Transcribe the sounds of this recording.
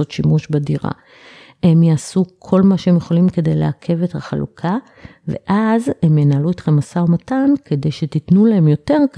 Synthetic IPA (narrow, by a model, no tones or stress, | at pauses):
o̞t̪ʃimuʃbadiʁa̰ | he̞mjaːsukʰo̞lmaʃeemjeχo̞limke̞de̞jlḛakʰe̞ve̞thaχalṵkʰa | ve̞̰ʔazhe̞mjenaːluetχemasaomatanke̞de̞jʃetitnulaemjo̞te̞ʁ